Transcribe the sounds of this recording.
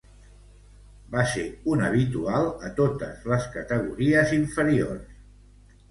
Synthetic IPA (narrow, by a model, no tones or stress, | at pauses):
baseunəβit̪ualˠət̪ot̪əzləskət̪əɣ̞ṵɾiəziɱfəɾiors